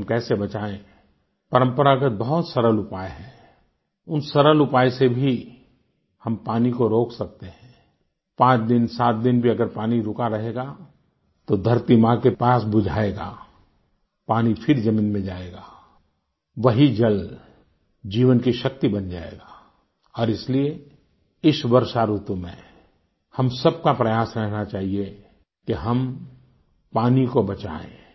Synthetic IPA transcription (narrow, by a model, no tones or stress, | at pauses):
ɦɐmkɛːsebɐt͡ʃaːẽ | pɐɾə̃mpəɾakəbɐɦʊt̪sɐɾəlʊpaːeɦɛː | ʊnsɐɾəlʊpaːesebʱi | hɐmpaːnikoɾoːksɐk̚t̪eɦɛ̃ː | pãːt͡ʃd̪ɪnsaːt̪̚d̪ɪnbʱiɐɡəɾpaːniɾʊkaɾɐɦeːɡa | t̪od̪ʱɐɾt̪imãkepaːsbʊd͡ʒʱaːeːɡa̰ː | paːnipʰɪɾd͡ʒɐmĩːnmẽd͡ʒaːeːɡaː | ʋɐɦid͡ʒɐl | d͡ʒiːʋənkiʃɐk̚t̪ibɐnd͡ʒaːḛːɡaː | ɔːɾɪslie | ɪsʋɐɾʃaɾuːt̪mḛ̃ | hɐmsɐb̚kapɾɐjaːsɾɛɦnat͡ʃaːɦie | keɦɐm | paːnikobɐt͡ʃa̰ːḛ̃ː